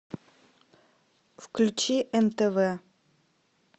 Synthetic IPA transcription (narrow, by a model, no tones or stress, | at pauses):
fklʲʉt͡ɕiʔɛnt̪ɛvɛ